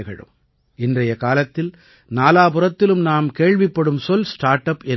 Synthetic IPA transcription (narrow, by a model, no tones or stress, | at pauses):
ɣɐɻɯ̰m | ɪndrɐjɐkaːlɐt̪ːɪl | naːlaːpɯɾɐt̪ːɪlɯmnaːmkeːɻʋɪpːɐɽɯmsɔlsʈaːɾʈɐpɛn